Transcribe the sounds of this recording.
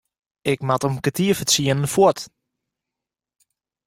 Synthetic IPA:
ɪkmatəmkətʰiəfəsiənənfot

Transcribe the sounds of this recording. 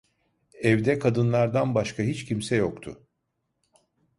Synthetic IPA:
ɛvd̪ɛkʰad̪ɯnlˠaɾd̪anbaʃkʰaɦit͡ʃcimsɛjokt̪ʰʊ̰

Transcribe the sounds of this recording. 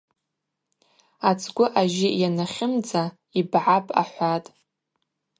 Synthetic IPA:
at͡sʼʰɡʷʊʔaʒɪjanaχʲɪmd͡za | ibʕapʼa̰ħʷatʼ

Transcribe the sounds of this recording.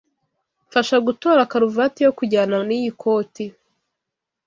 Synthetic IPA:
ɱfaʃaɡutoːɾakaɾuvatijokuɟaːnanijikʰo̞ːti

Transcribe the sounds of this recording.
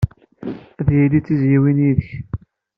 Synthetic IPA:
æðjilit͡sːizjiwiniðəç

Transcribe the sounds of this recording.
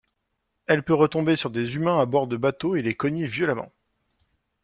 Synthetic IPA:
ɛlpøʁət̪ɔ̃besyʁd̪ezymɛ̃abɔʁd̪əbat̪oelekɔɲevjɔlamɑ̰̃

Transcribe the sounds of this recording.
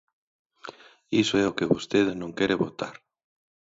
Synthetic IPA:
isoɛʊkɪβost̪eðɪnõŋkɛɾɪβot̪aɾ

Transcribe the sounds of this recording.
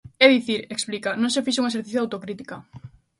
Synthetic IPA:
ɛðiθiɾeksplikanõŋsefiʃ̬uŋɐeseɾθiθjðawt̪okɾit̪i̥kɐ

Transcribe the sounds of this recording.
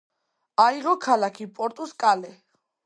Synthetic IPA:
aiʁɔkʰalakʰipʼɔɾt̪ʼuskʼalɛ

